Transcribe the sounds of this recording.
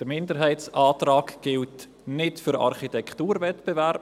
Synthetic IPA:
d̥əɾmɪndəɾɦaɪtsʔaːtraːkɡ̥ɪlt | nɪtfʏɾɑ̰ɾχitɛkʰtuːɾvɛtb̥ɛvɛɾp

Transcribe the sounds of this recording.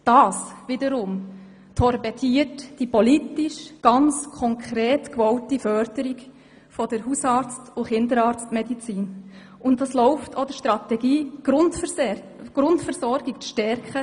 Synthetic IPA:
d̥ɑːsʋɪdəɾʊm | tʰɔɾbɛtʰiətd̥ipɔlitiʃɡ̥ɑnt͡skʰɔŋkʰɾeːtkʋɔʊtifœɾd̥əɾiɡ | fɔd̥əɾɦusɑːɾt͡stʊχɪndəɾɑːɾt͡stmɛdit͡siːn | ʊntdɑslɔʊftʰod̥əʃtɾɑt̪ɛɡiːɡ̥ɾʊntf | ɡ̥ɾʊntfəɾsɔɾɡɪk̚ʃtɛɾkχə

